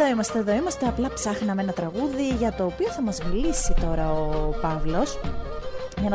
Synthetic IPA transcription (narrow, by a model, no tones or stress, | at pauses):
o̞imɐst̪e̞ðo̞imɐst̪e̞ɐplɐpsɐxnɐmenɐt̪ɾɐɣuðiʝɐt̪o̞ːpio̞θɐmɐzmilisit̪o̞ɾɐopɐvlo̞s | jɐnɐ